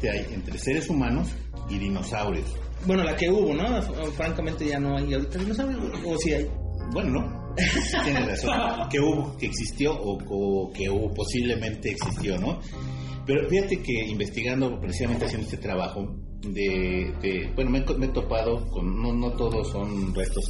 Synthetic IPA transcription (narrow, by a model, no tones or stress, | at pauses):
t̪eaje̞̰nt̪ɾese̞ɾe̞sumãnos | iðino̞sawɾjos | bwe̞nolake̞uβo̞nofɾaŋkamẽnt̪e̞ʝano̞ajawɾit̪aðinosawɾjo | osiajbwe̞nono | t̪jenneraso̞nke̞uβokeːksist̪jo̞ʔːokeuβopo̞siβle̞mẽ̞nt̪e̞ːksist̪jo̞no̞ | pe̞ɾofixat̪e̞ke̞imbe̞st̪iɣand̪opɾesisament̪easjend̪oest̪et̪ɾaβaxo̞ | d̪eðebwe̞no̞meekomet̪o̞pað̞o̞konːono̞t̪oðoso̞nrest̪o̞s